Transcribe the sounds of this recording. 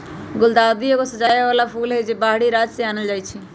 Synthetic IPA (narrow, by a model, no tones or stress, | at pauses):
ɡʊld̪ad̪ijokosəd͡ʒajʋalapʰulɦed͡ʒebaɦɽiɾad͡ʒseanəld͡ʒajt͡ʃʰi